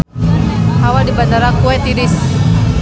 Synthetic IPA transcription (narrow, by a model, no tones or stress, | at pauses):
hawadibandaɾakuɛt̪iɾis